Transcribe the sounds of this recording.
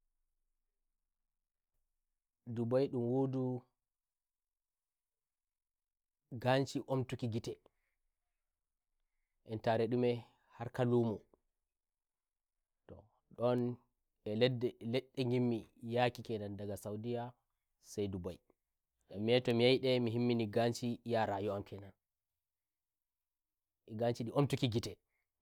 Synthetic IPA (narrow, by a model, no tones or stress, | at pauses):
dubajɗumwodu | ɡant͡ʃiʔomtukiɡitɛ | ʔɛntaɾɛɗumɛ | haɾkalumɔ | tɔ | ɗɔn | ɛlɛdɛlɛɗːɛŋɡimːijakikɛdandaɡasawdija | sajdubaj | ʔamːiɛtɔmijajɗɛmiɦimːiniɡant͡ʃijaɾajuamkʰɛnan | ʔiɡant͡ʃiɗiʔomtukiɡitɛ